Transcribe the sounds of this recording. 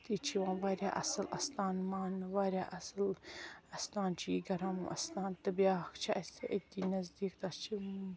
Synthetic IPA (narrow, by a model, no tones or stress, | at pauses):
t̪it͡ʃʰiʋãːnʋaːɾʲjaːʔɐ̰sɨlɐst̪aːnmaːnʋaːɾʲjaːʔɐslɐst̪aːnt͡ʃʰiːɡɐɾɐmʔɐ̰st̪aːnt̪ɐbiakt͡ʃʰiɐtiʔɐt̪ːinɐzd̪iːkd̪ɐst͡ʃʰi